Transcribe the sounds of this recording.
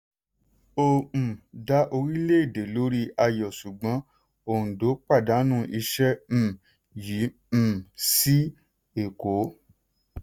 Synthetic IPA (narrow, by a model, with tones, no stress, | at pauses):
õ˧˨da˨˦ʔo˧ɾi˦le˦e˦˨de˨lo˨˦ɾi˦a˧jɔ˨ʃu˨ɡ͡bã˨˦ | õ˨do˨˦k͡pa˦˨da˨˦nũ˦ʔi˧ʃɛ̃˦˨ | jĩ˨˦˨ | si˦ | e˨ko˨˦